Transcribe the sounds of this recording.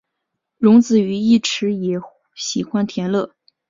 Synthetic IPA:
ɻʊ˧˥ŋt͡sɹ̩˨˩y˧˥i˥˩ʈ͡ʂʰɻ̩˧˥jɛ˨˩ | ɕi˨˩xwa˥nt̪ʰjɛ˧˥nlɤ˥˩

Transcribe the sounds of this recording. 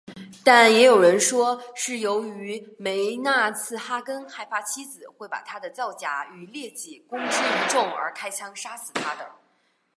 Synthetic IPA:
t̪a˥˩njɛ˧˥jo˨˩ʊɻə˧˥nʂwɔ˥ʂɻ̩˥˩jo˧˥ʊy˧˥me˧˥ɪna˥˧t͡sʰɹ̩˥˩xa˥kə˥nxa˥˩ɪfa˥t͡ɕʰi˥d͡zɹ̩˨˩xwe˥˩ɪpa̰˨˩t̪ʰa˥d̪ə˨t͡sɑ˥˩ʊt͡ɕja̰˧˥y˨˩ljɛ˥˧t͡ɕi˨˩kʊ˥ŋʈ͡ʂ̩˥˩i˧˥ʈ͡ʂʊ˥˩ŋə̰˞˧˥kʰa˥ɪt͡ɕʰjɑ˥ŋʂa˥sɹ̩˨˩t̪ʰa˥d̪ə˧˩

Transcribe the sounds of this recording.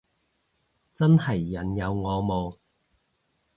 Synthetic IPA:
t͡sɐ˥nhɐ˨˩jːɐ˨˩njɐ˨˧wŋɔː˨˧mo˨˧w

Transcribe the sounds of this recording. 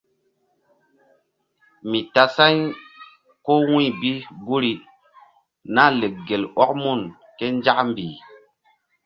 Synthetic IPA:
mi˨ta˨sa˦j | ko˦wĩ˦˨bi˦ɡu˦ɾi˦ | na˦le˨k̚ɡe˨lɔ˦k̚mu˦˨n | ke˦nd͡ʒa˦kmbiː˨

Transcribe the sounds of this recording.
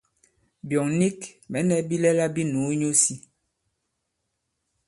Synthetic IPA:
bjɔ˨ŋni˦kmɛ˨˦nɛ˦bi˦lɛ˦la˦bi˦nu˨˦ɲo˦si˦

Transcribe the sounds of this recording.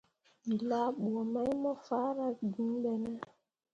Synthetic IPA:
i˨la˦ɓu˨ɔ˨ma˦jmɔ˦fa˦ɾa˨ɡi˦n˦ɓɛ˦nɛ˦

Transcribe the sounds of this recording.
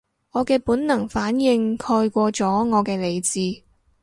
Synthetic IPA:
ŋɔː˨˧kɛː˧puː˨˥nnɐ˨˩ŋfaː˨˥njɪ˧ŋkʰɔː˧jkʷɔː˧t͡sɔː˨˥ŋɔː˨˧kɛː˧le˨˧jt͡siː˨˧

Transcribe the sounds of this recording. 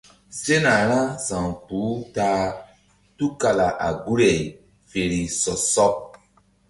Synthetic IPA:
se˦na˨ɾã˦sã˨ŋpuː˨˦taː˦ | tu˦ka˨la˨ʔa̰˨ɡu˦ɾe˨ | fe˨ɾi˨sɔ˨sɔ˦

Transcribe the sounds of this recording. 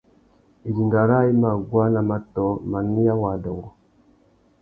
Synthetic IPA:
i˨ɾi˨ŋɡa˨ɾa˦i˦ma˨ɡwa˦na˨ma˨tɔ˨˦ma˨ni˦a˦wa˨dɔ˨ŋɔ˨

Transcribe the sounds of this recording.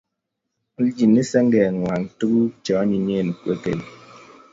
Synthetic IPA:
n̩˦d͡ʒi˨ni˦sɛ˦ŋ˦ɡɛ˨ŋwa˨n˨tu˦ɡu˦t͡ʃɔ˨˦ɲi˨ɲe˦˨ni˨kwe˦kḛ˨l

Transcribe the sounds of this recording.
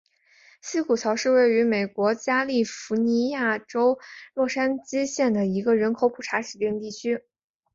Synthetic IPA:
ɕi˥kʰu˨˩t͡ɕʰjɑ˧˥ʊʂɻ̩˥˧we˥˩ɪy˧˥me˨˩ɪkwɔ˧˥t͡ɕja˥li˥˩fu˧˥ni˧˥ja˥˩ʈ͡ʂo˥ʊɻwɔ˥˩ʂa˥nt͡ɕi˥ɕjɛ˥˩nd̪ə˩i˧˥ɡə˧ɻə˧˥nkʰo˧˥ʊpʰu˨˩ʈ͡ʂʰa˧˥ʂɻ̩˨˩t̪ji˥˧ŋt̪i˥˩t͡ɕʰy˥

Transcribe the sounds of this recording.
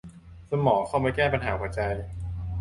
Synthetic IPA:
sa˧mɔː˩˦kʰa˥˩wmaː˧kɛː˥˩pa˧nɦaː˩˦kʰaː˨˩˦t͡ɕa˧j

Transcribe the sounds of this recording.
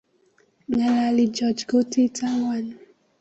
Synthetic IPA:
ŋa˨la˨li˨d͡ʒɔd͡ʒɡo˦ti˦tʰa˦ŋwa˨n

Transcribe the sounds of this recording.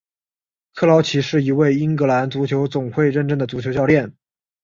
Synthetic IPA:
kʰɤ˥˩lɑ˧˥ʊt͡ɕʰi˧˥ʂɻ̩˥˩i˧˥we˥˩ɪi˥ŋkɤ˧˥la˧˥nt͡su˧˥t͡ɕʰjo˧˥ʊt͡sʊ˨˩ŋxwe˥˧ɪɻə˥˧nʈ͡ʂd̪ə˩t͡su˧˥t͡ɕʰjo˥t͡ɕjɑ˥˧ʊljɛ˥˩n

